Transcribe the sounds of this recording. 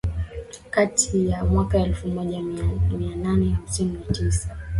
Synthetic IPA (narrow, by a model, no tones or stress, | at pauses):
katʰijamwakaɛlfumɔʄamimiananɛhamsininatisḁ